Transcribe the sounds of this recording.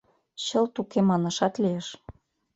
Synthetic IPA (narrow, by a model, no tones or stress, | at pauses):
t͡ɕɤ̆lt̪ukemɑnɤ̆ʃɑt̪lieʃ